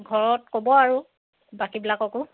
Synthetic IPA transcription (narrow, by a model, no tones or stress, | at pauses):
ɡʱɔɹɔtkobɔaɹu | bakibilakɔkʊ